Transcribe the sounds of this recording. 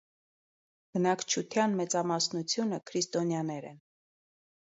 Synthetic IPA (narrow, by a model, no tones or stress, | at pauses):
b̥ənɑkʰt͡ʃʰut̪ʰjɑnmɛt͡sɑmɑsnut͡sʰjunəkʰɾist̪ɔnjɑnɛɾɛ̰n